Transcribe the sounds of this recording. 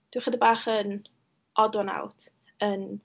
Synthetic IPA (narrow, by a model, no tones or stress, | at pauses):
d̥wɪχədəbaːχən | ɔdɔna̰wtʰ | ən